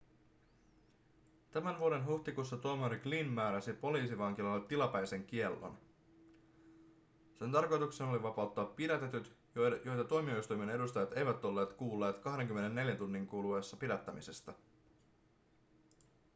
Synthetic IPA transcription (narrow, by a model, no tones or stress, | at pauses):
t̪æmænʋuoɾe̞nɦuht̪ikusːɑt̪oːmɑɾiɡlinmæːɾæsipo̞liːsiʋɑŋk̟ilɑlːet̪ilɑpæjse̞ŋk̟ie̞lːo̰n | se̞nt̪ɑrko̞jt̪ukse̞noliʋɑpɑwt̪ːɑːpːidæt̪e̞t̪yt̪ | jo̞jt̪ɑt̪omio̞ist̪ujme̞ne̞dust̪ɑjɑt̪e̞jʋæt̪o̞lːe̞ːt̪kuːlːe̞ːt̪kɑɦde̞ŋk̟ymːe̞ne̞nːe̞ljænt̪unːiŋkuːluesːɑpidæt̪ːæmise̞st̪æ